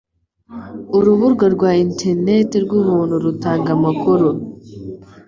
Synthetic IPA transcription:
uɾuβuɾɡaɾɡwaːintʰeɾnetiɾɡʷumunuɾutaːŋɡamakuɾu

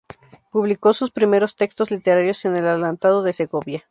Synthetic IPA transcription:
puβliko̞suspɾime̞ɾo̞st̪e̞kst̪o̞zlit̪e̞ɾaɾjo̞se̞ne̞laðelant̪að̞o̞ðe̞se̞ɣo̞βja

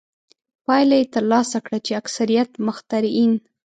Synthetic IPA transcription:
pɑjlajet̪əɾlɑsakɽat͡ʃeaksaɾijat̪mʊxt̪aɾin

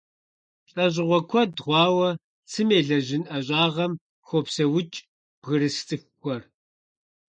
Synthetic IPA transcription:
ɬʼɐʑɪʁʷɔkʷʰɔdʁʷɑːwɐ | t͡sʰɨmeːɮɐʑɪnʔɐʑʷʼɑːʁɐm | xʷopsɐwʊt͡ʃʼ | b̥ʁɨɾɨst͡sʼɨxkʷʰʼɔr

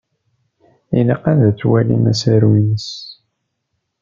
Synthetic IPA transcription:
iniqːænðæt͡sːwælḭmæsəɾwinəs

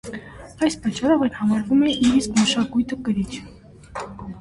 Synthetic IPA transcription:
ɑjspɑt͡ʃːɑɾɔvɛɾhɑmɑɾvumɛʔiɾiskməʃɑkujt̪əkəɾit͡ʃʰ

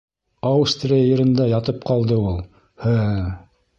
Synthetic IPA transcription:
awst̪rʲijajɤ̆ɾɤ̆nd̪ɑjɑt̪ɤp̚qɑlˠd̪ɤulˠ | hɘ

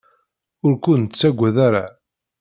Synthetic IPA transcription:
ʊɾkʊnt͡sːæɡʷːæðaɾa

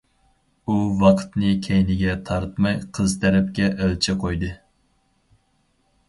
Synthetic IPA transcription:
uvɑqʰt̪nɨkʲʰejnɪɡʲɛt̪ʰɑɾt̪mɑjqʰəzt̪ʰɛɾɪpkʲɛʔølt͡ʃʰɪqʰojd̪ɨ

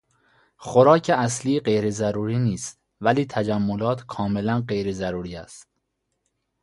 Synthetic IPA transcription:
xoɾɒːcʰeæsliːɢe̞jɾezæɾuːɾiːniːst̪̚ | væliːt̪ʰæd͡ʒæmːolɒːt̪ʰkʰɒːme̞lænɢe̞jɾezæɾuːɾiːæst̪̚

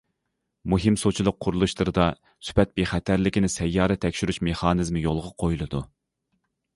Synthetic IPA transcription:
muɦimsot͡ʃʰilˠʊq̚ʰːʊɾulˠuʃlˠɨɾɨd̪ɑ | sy̥pɛt̪̚beχæt̪ʰæɾlɪkʲinɪsɛjːɑːɾɛt̪ʰːɛkʲʃyɾyʃmeχɑːnɨzmɨjolˠʁɑqʰojulˠɨd̪u

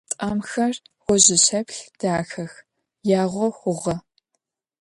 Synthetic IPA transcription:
tʼaːmxɐr | ʁʷɔʑɪɕɐpɬd̥aːxɐx | jaːʁʷɔxʷʊʁɐ

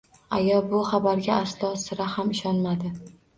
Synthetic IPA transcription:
a̰jɒbʊχabaɾɡʲaːslˠɒsɪɾahamɪʃɒnmad̪ɪ

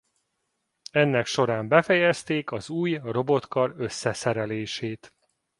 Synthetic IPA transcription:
ɛnːɛkʃo̞ɾaːmbɛfɛjɛst̪eːkɒzuːjro̞bo̞t̪kɒɾøsːɛsɛɾɛleːʃeːt̪

